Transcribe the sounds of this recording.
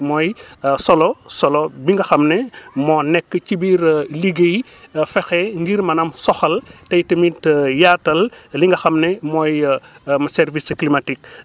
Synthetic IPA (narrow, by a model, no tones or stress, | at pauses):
mɔːjsɔlɔsɔlɔbiŋɡɐxɐmnɛmɔːnɛkːəcibiɾliɡej | fɛxɛŋɡiɾmɐnɐmsɔxɐltɐjtɐmitjaːtːɐlliŋɡɐxɐmnɛmɔːj | mɐsɛɾvisklimatik̚